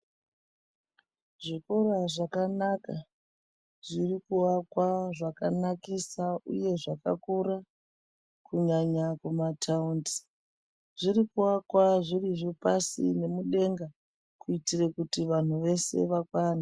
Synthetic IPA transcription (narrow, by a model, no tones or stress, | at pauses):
ʐiko̞ɾaʐakanaka | ʐirikuwakwaʐakanakisauje̞ʐaka̰kuɾa | kuɲaɲakumatʰaunti̥ | ʐirikuwakwaʐiriʐopasḭne̞muɗe̞ŋɡa | kuitirekutiʋan̤uʋe̞se̞̰ʋakwaːna